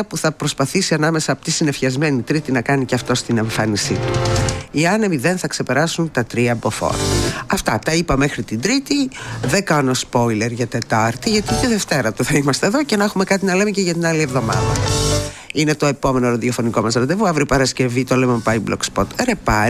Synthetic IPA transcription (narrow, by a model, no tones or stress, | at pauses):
ɐpuθɐpɾo̞spɐθisiɐnɐme̞sɐːpo̥t̪i̥sine̞fçɐzme̞nit̪ɾit̪inɐkɐniceɐft̪o̞st̪ine̞ɱfɐnisit̪u̥iɐnemiðe̞nθɐkse̞pe̞ɾɐsunt̪ɐt̪ɾiɐbo̞fo̰ɾɐɐft̪ɐt̪ɐipɐme̞xɾit̪ind̪ɾit̪iðe̞kɐno̞spo̞jle̞ɾʝɐt̪e̞t̪ɐɾt̪iʝɐt̪iot̪eðe̞ft̪e̞ɾɐt̪uθɐimɐst̪e̞ðo̞ce̞nexume̞kɐt̪inɐle̞meceʝɐt̪inɐlievðo̞mɐ̰ðɐ̰ | ine̞t̪o̞e̞po̞me̞noɾɐðio̞fo̞niko̞mɐzɾɐd̪evuɐvɾipɐɾɐsce̞vit̪olemobɐjblo̰kspot̪ɾepɐ